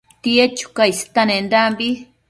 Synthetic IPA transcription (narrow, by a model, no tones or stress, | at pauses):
t̪iet͡ʃu̥kaist̪anẽnd̪ambi